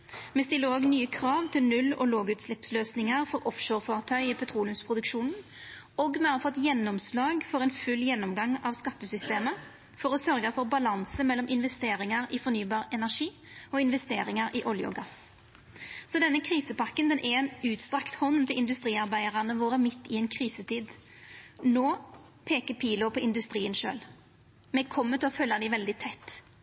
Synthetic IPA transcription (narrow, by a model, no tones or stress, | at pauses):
mɛst̪ɪlːəoːɡnyːəkʰɾɑːʋt̪ʰɪlnʉlːɔ̰loːɡʉːt̪slɪpsløːsnɪŋəʁfɔɾɔfʃoːɾfoːʁt̪ʰœʏipʰɛt̪ʰʁuːlʉmspʰʁʊd̪ʉkʃuːnn̩ | ɔɡmɛɑfɔt̪ːjɛnːɔmslɑːɡfɔɾɛnfʉlːjɛnːɔmɡɑŋːɑʋskɑt̪ːəsʏst̪eːmə | fɔɾɔsœɾɡəfɔʁbɑlɑnsəmɛlːɔmʔɪnʋɛst̪eːɾɪŋəɾɪfɔɾnyːbɑːʁɛnæʁʂiː | ɔɪnʋɛst̪eːɾɪŋɑɾʔɪʔɔljʊ̰ɡɑs | sɔd̪ɛnːəkʰʁiːsəpɑʁkːənd̪ɛnʔɛɛnʉːt̪st̪ɾɑkt̪hɔnt̪ɪlɪnd̪ʉst̪ɾiːɑʁbæɪəʁɑnəʋoːɾəmɪt̪ːɪɛːnkʰʁiːsət̪ʰiːd̪ | noː | pʰeːkəpʰiːlʊpʰɔɪnd̪ʉst̪ɾiːənʃø̰ːl | mɛkʰɔmːət̪ʰɪlɔfœlːɑd̪ɪʋɛld̪ɪt̪ʰɛt̪ː